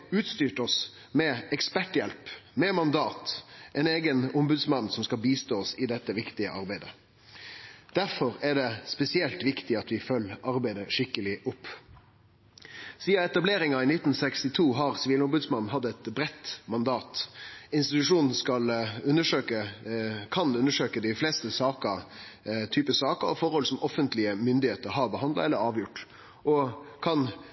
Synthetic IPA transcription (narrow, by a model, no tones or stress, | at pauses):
ʉːt̪st̪yːʈɔs | mɛɛkspæʈjɛlpmɛmɑnd̪ɑːt̪ʔɛneːɡənʊmbʉd̪smɑnːsɔmskɑlbiːst̪oːɔsɪd̪ɛt̪ːəʋɪkt̪ɪə̰ʔɑ̰ɾbæɪd̪ə̰ | d̪̥æɾfɔʁæɖɛspɛsɪɛlt̪ʋɪkt̪ɪɑt̪ʋɪfœlːɑɾbæɪd̪əʂɪkːəlɪʔʊpː | siːɑɛt̪ɑbleːɾɪŋɑɪnɪt̪ːn̩sɛkst̪ɪt̪ʰuːɦɑʁsʋiːlʊmbʉd̪smɑnn̩ɦɑd̪ːɛt̪bɾɛt̪ːmɑnd̪ɑːt̪ɪnst̪ɪt̪ʉʂuːnn̩skɑlʉnːəʂøːkəkʰɑnʉnːəʂøːkəd̪ɪfleːst̪əsɑːkə | t̪ʰyːpəsɑːkəɾɔfɔɾhɔlsɔmɔfənt̪lɪəmʏnd̪ɪheːt̪əɾɦɑːɾbəhɑnd̪lɑ̰ɛlːəɾɑːʋjʊʈː | ʔɔkʰɑn